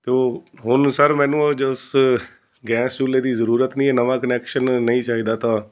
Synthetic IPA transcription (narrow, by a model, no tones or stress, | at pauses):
t̪eːɦʊnsəɾmɛ̃ːnũːd͡ʒəs | ɡɛːst͡ʃuːleːd̪iːzəɾuːɾət̪nĩːɛːnəʋãːkənɛːkʃənːəĩːt͡ʃaːɦiːd̪aːt̪ãː